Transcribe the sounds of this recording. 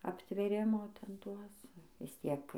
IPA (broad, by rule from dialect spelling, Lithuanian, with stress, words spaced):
ɐpʲtʲʋʲeːˈrʲɪmoː ˈtʲɛn ˈtuɔs ʋʲɪs ˈtʲiɛk